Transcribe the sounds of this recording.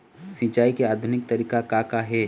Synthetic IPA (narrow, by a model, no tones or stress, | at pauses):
sĩt͡ʃaːikeaːd̪ʱʊnɪk̚t̪ɐɾiːkakakaɦɛː